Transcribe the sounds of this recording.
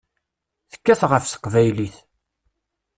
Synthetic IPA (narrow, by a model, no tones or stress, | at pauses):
θə̥kːæθʁəfsə̥qvæjliθ